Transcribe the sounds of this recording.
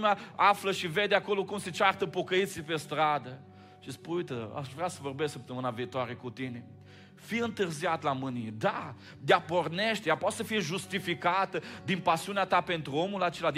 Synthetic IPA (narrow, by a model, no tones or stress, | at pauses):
meaafləʃive̞d̪eako̞lo̞kumset͡ʃart̪əpo̞kəit̪sipest̪ɾad̪ə | ʃispunujt̪əa̰ʃvɾeasəvo̞rbe̞sʲsəp̚t̪əmɨnaviːt̪oaɾe̞kut̪ine | fiɨnt̪ɨrziat̪lamɨnijed̪a | d̪eapo̞rneʃt̪ejapat̪səfijeʒust̪ifikat̪əd̪inpasiuneat̪ape̞nt̪ɾuo̞mulat͡ʃe̞lad̪